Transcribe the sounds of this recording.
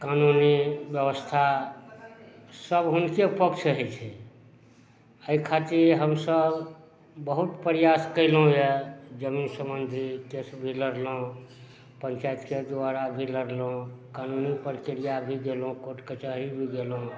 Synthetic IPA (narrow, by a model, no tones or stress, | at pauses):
kanunibjəbəst̪ʰa | səbɦunkepəkt͡ʃʰəɦɛt͡ʃʰɛ | əikʰat̪iɾɦəmsəb | bəɦut̪pəɾijaskəɪlɦũjed͡ʒəminsəmənd̪ʱikesbʱiləɾlõ | pənt͡ʃajt̪ked̪aɾabʱiləɾlõkanunipəɾkiɾijabʱid̪elũkoʈket͡ʃəɦɾibʱiɡ̪elɦõ